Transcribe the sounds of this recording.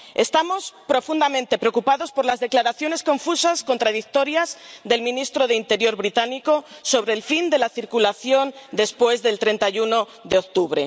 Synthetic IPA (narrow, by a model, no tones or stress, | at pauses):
e̞st̪amo̞spɾo̞fund̪amẽnt̪e̞pɾeokupaðo̞spo̞ɾlazðe̞klaɾaθjo̞ne̞sko̞ɱfusasko̞nt̪ɾaðik̚t̪o̞ɾjazðe̞lmĩnist̪ɾo̞ðeint̪e̞ɾjo̞ɾβɾit̪aniko̞so̞βɾe̞ːlfind̪e̞laθiɾkulaθjo̞nd̪e̞spwe̞zðe̞lt̪ɾe̞nt̪ajuno̞ | ðe̞ok̚t̪uβ̞ɾe̞̰